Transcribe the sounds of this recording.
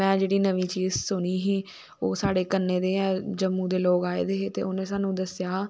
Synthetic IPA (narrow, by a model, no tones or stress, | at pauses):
mɛ̃ːd͡ʒeːɽiːnəʋiːt͡ʃiːzsʊniːɦiː | oːsaːɽeːkənːeːd̪eːɛːd͡ʒəmːũːd̪eːloːkaːḛːd̪eːɦeːt̪ḛːʊnẽːsaːnũːd̪əsjaː